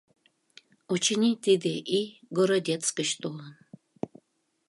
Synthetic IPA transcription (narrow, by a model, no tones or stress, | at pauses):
ot͡ɕinʲit̪id̪eʔiɡoɾod̪ʲet̪t͡skəɕt̪olən